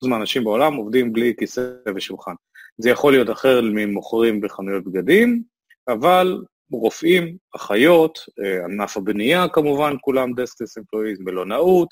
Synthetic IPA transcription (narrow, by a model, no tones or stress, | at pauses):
zmaanaʃimbeo̞lamovd̪imblikiseveʃulχan | zejaχo̞lijo̞t̪aχe̞ʁlmimoχʁimbeχanujo̞t̚bɡad̪im | aval | ʁo̞fimaχajo̞t̪anafabnijakamuvankulamd̪esklesimfloizmbelo̞naut̪